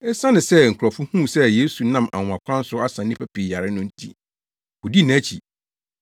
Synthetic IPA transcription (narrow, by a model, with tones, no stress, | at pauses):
ɛ˦sã˦nɪ̃˨sɛ˦ŋ̩˨kʰʷʊ˨ɾɔ˨fʊ˦hũ˦sɛ˦je˦su˨nã˦mʔa̰˨w̃a˨kʷʰã˦n̩˦sʊ˦a˦sã˨n˦nɪ̃˦pʰæ˦pʰi˨ja˨ɾɪ˦nʊ̃˦n̩˦tʰḭ˦ | ʊ˨di˦nã˦t͡ɕʰḭ˨